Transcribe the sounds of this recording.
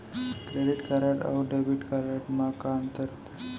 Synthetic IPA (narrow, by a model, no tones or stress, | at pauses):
kɾeɽiʈkaɾaʈa̰wɖabiʈkaɾaʈmakaənt̪əɾt̪